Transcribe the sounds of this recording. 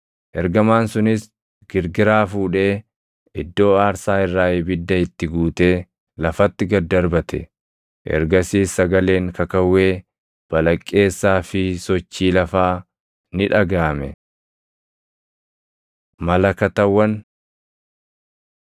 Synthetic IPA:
ʔɛɾɡɐmaːnsʊnɪs | ɡ̥ɪɾɡɪɾaːfuːᶑe̞ː | ɪd̪ːo̞ːaːɾsaːɪrːaːɪbɪd̪ːɐɪt̪ːɪɡuːt̪e̞ː | lɐfɐt̪ːɪɡɐd̪ːɐɾbɐt̪ɛ̰ | ʔɛ̰ɾɡɐsiːsɐɡɐle̞ːŋkɐkɐwːe̞ː | b̥ɐlɐkʼːe̞ːsːaːfɪsɔt͡ʃːiːlɐfaː | nɪᶑɐɡaːmɛ | mɐlɐkɐt̪ɐwːɐn

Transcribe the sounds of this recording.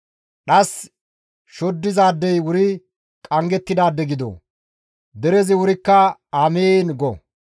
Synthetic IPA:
ᶑɐs | ʃɔd̪ːɪzaːd̪ːɛjwʊɾɪ | kʼɐŋɡɛt̪ːɪd̪aːd̪ːɛɡɪd̪o̰ | d̪ɛɾɛzɪwʊɾɪkːɐameːnɡɔ

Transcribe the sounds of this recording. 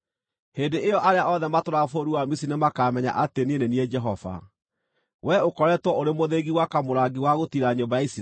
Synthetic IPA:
hendeʔeɔʔaɾeaɔðɛmatoɾafoɾuwamisinemakaːmɛɲa̰ʔatenienenied͡ʒɛɦɔva̰ | wɛokɔɾɛtwɔoɾemoðeɣiwakamoɾaɡiwaɣotiɾaɲombajais

